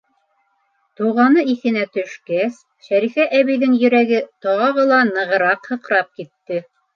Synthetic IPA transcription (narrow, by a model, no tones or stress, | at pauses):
t̪uʁɑnɤiθɘ̆næt̪ɵ̆ʃkæs | ʃæɾifæʔæβijðɘŋjɵ̆ɾæɡɘt̪ɑʁɑʁɤlˠɑnɤ̆ʁɤ̆ɾɑqhɤ̆qɾɑp̚kit̪ːɘ